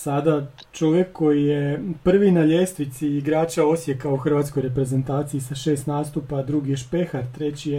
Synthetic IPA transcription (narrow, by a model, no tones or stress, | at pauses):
sad̪a | t͡ʃo̞ʋje̞kʰːo̞jijepr̩ʋinaʎest̪ʋit̪siːɡɾaːt͡ɕao̞sje̞kauxr̩ʋat̪skojɾe̞pɾe̞ze̞nt̪aːt̪siisaʃe̞ːst̪naːst̪upad̪ɾuɡijeʃpe̞xaɾt̪ɾe̞t͡ɕi